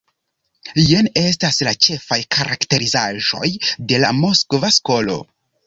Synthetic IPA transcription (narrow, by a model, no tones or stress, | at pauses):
jene̞s̬taslat͡ʃe̞fajkʰaɾakte̞ɾizaʒo̞̰jde̞la̰mo̞skvasko̞lo̞̰